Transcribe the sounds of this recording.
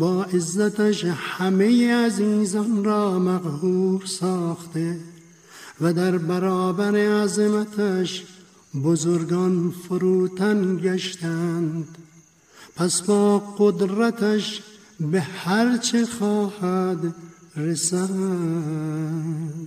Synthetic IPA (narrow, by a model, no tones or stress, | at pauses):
bɑːʔezːat̪aʃhamejeaziːzɔnɾɑːmaqhuːɾsɑːxt̪e | vad̪æɾbaɾɑːbaɾeazemat̪ʰaʃ | bozoɾɡɑnfʊɾuːt̪ʰanɡaʃt̪and̪ | pʰasbɒːqod̪ɾat̪ʰaʃ | behaɾt͡ʃʰeχɑːhad̪ɾesa